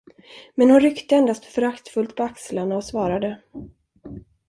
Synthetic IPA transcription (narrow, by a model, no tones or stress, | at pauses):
mɛnhʊnɾʏkt̪əɛnd̪ast̪fœɾakt̪fɵlt̪̚pʰɔakslanaɔsvɑːɾad̪ə